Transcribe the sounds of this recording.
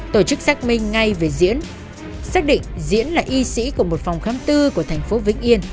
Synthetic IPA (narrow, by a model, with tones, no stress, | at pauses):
t̪o˧˩t͡ɕɨ˦˥k̚saː˦˥k̚mï˧ŋ̟ŋa˧jve˨˩zḭ˧˥ən | saː˦˥k̚ɗḭ̈˧˨ŋ̟zḭ˧˥ənlaː˨˩ʔi˧sḭ˧˥ku˧˩əmo˨˩t̚fɔ˨˩wŋ͡mxaː˨˦mt̪ɨ˧ku˧˩ət̪ʰɛ˨˩jŋ̟fo˨˦vḭ˧˥ŋ̟ʔi˧ən